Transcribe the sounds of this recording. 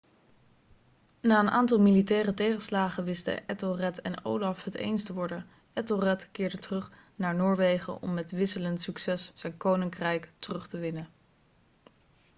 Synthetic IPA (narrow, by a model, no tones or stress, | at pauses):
naːənʔa̰ːntɑlˠmilitɛːrətejχəslaːχəʋɪstə̰ʔɛtorɛtɛ̰no̰wlɑfɦətḛjnstəʋɔɹdən | ʔɛtorɛtkɪːɹdətərɵχnaːɹnʊːɹʋejχə̰ʔɔ̰mːɛtʋɪsələntsyksɛsz̥ɛjnkownɪŋkrɛjktərɵχtəʋɪnən